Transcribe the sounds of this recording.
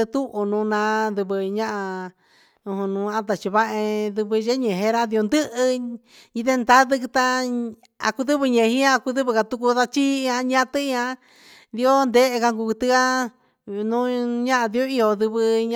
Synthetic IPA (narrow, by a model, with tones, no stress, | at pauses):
ɨ˧t̪u˦ʔu˧nũ˨˧nã˧˦ðɨ˧βɨ˧ɲã˦ʔa˧ | ũ˧hũ˧nũ˨˦ã˦t̪a˧˨t͡ʃi˧βa˦ʔẽ˧ðɨ˧βɨ˧ʒe˦ɲẽ˨ɦẽ˧˦ɾa˦ði˧o˧nd̪ɨ˦ʔɨ˧ | i˧ðe˦nd̪a˦ðɨ˦˧kɨ˧t̪a˧ | a̰˧ku˧ðɨ˦βɨ˧ɲẽ˨˧ɦĩ˦ã˦˧ku˧ðɨ˦βɨ˧ka˧t̪u˧ku˧ða˧t͡ʃi˦˧ã˧ɲã˦t̪ɨ˦˧ã˧˦ | ði˧o˦nd̪e˦e˧ka˧ŋku˧ku˧t̪ɨ˧ka˦ | nũ˦ɲã˦ʔa˧ði˧o˦i˦o˧ðɨ˧βɨ˧ɲ